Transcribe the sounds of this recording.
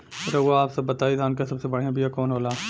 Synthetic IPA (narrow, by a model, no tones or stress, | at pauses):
pʰɪɾɐɡoaːpsɐbːɐt̪aːid̪ʱaːnkesɐbsebɐɽeãbijakɔːnɦoːlaː